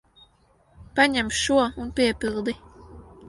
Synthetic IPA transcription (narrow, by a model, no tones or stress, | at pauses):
paɲamʃːuɔunpiɛpilˠd̪i